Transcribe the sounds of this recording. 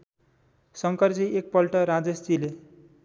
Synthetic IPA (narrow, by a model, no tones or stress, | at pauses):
sʌŋkʌrd͡ziʔek̚pʌlʈʌɾad͡zestile